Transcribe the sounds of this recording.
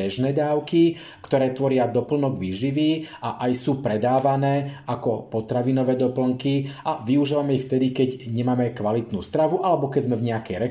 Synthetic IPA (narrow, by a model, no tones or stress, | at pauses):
ɛʒnɛːd̪aːʊki | kt̪ɔɾɛːt̪ʋɔɾɪad̪ɔpl̩nɔɡʋiːʒiʋiːaʔajsuːpɾɛd̪aːʋanɛːakɔpɔt̪ɾaʋinɔʋɛːd̪ɔpl̩ŋkiʔaʋiuʒiːʋamɛixft̪ɛd̪ikɛɟɲɛmaːmɛkʋalit̪nṵːst̪ɾaʋuʔalɛbɔkɛɟzmɛvɲɛakɛjɾɛ